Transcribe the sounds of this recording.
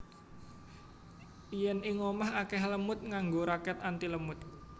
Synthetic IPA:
ʔijɛniŋomaɦakɛhləmʊt̪̚ŋaŋɡoɾakɛt̪ant̪iləmʊt̪̚

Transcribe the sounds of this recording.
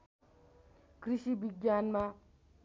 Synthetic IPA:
kɾiʃibiɡanma

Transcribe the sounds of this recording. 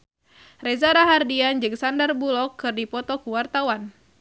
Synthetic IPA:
rezaɾaɦardiand͡ʒɨŋsandarbulɔkːɨrdipɔt̪ɔkuwart̪awan

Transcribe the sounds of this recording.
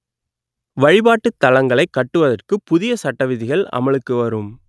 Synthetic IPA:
ʋɐɻɪbaːʈːɯt̪ːɐlɐŋɡɐɭɐɪkːɐʈːɯʋɐðɐrkɯpːʊðɪjɐsɐʈːɐʋɪðɪɣɐɭɐ̰mɐɭɯkːɯʋɐɾɯm

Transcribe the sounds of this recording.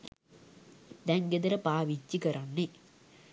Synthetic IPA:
d̪ɛŋɡed̪ɐɾɐpaːʋit͡ʃːikɐɾɐnːe

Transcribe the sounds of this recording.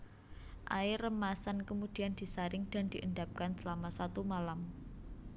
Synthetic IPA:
ʔa̰ɪrəmasankəmud̪̥i̤and̪̥i̤saɾɪŋd̪̥a̤nd̪̥i̤ʔəndap̚kansəlamasat̪umalam

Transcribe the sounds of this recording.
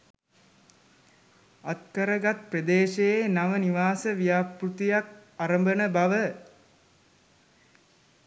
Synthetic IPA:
at̪kəɾəɡat̪̚prəd̪eːʃejenaʋəniʋaːsəʋijaːprut̪ijak̚aɾəmbənəbaʋə

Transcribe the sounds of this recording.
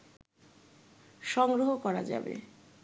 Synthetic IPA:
ʃɔŋɡɾoɦokɔɾad͡ʑa̰bḛ

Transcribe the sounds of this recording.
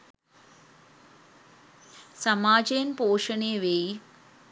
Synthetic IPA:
sɐmaːd͡ʒeːnpoːʂəneːʋei

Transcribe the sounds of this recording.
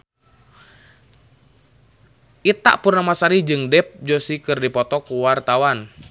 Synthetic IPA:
ʔit̪a̰ʔpurnamasaɾid͡ʒɨŋdɛp̚d͡ʒosikɨrdipɔt̪ɔkuwart̪awan

